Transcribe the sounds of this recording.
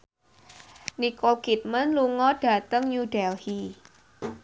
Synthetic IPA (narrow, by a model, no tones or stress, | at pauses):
nikokit̪̚mənluŋɔɖ̥ä̤t̪əŋɲud̥ɛlhi